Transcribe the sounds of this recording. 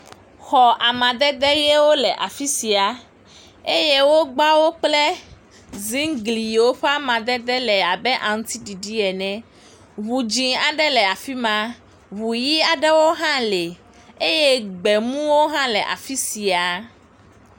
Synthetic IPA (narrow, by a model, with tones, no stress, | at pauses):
xɔ˨ʔa˨mã˨d̪ɛ˦d̪ɛ˦jɛ˦wo˦lɛ˨ʔa˨fi˦si˨a˨ | e˦je˦wo˦ɡ͡ba˦wo˦k͡plɛ˦ | zĩ˦ŋɡli˨wo˦ɸa˦mã˨d̪ɛ˦d̪ɛ˦lɛ˨a˨bɛ˦ʔã˨ŋũ˦t̪i˦ɖi˨ɖi˦ɛ˨nɛ̃˨ | βu˨d͡ʒĩ˨a˨ɖɛ˦lɛ˨a˨fi˦mã˦ | βu˨ji˦a˨ɖɛ˦wo˦ɦã˦lɛ˨ | e˦je˦ɡ͡bɛ˨mũ˦wo˦ɦã˦lɛ˨ʔa̰˨fi˦si˨a˨